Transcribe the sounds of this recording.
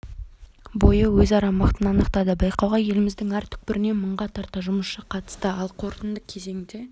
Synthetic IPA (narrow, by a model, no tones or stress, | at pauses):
bo̞jəwɵzɑɾɑmɑqt̪ənɑnəqt̪ɑd̪əbɑjqɑwʁɑje̞lɪmɪzd̪ɪŋæɾt̪ʰʏ̥k̚pɪɾɪne̞məɴʁɑt̪ʰɑɾt̪ɑʒʊməsʃəqʰɑt̪ə̥st̪əɑlˠqʰo̞ɾt̪ənd̪əkʲʰe̞ze̞ŋd̪e̞